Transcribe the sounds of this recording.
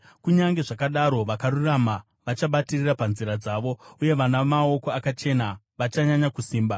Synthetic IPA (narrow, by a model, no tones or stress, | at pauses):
kuɲaŋɡe̞ʐakaɗaɾo̞ʋakarurama | ʋat͡ʃaɓatirirapanziɾad͡zaːʋo̞uje̞ʋanamao̞ko̞akat͡ʃe̞na | ʋat͡ʃaɲaɲakusiːmba